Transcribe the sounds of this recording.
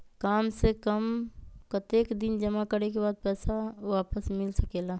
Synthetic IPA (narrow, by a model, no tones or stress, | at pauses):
kaːmsekəmkət̪eːkd̪ɪnd͡ʒəmakəɾekebaːd̪̚pɛːsaʋaːpəsmɪlsəkeːlaː